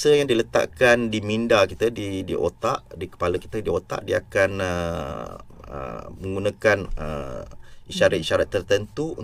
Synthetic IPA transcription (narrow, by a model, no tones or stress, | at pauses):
səjaŋdilət̪a̰ʔkandimĩndakit̪ədidḭʔo̰t̪aʔdikə̥paləki̥t̪ədiot̪a̰ʔdiakanə | ə̰mə̃ŋɡunãkanə̰ | iʃaɾat̪̚iʃaɾat̪ːərt̪ənt̪uṵ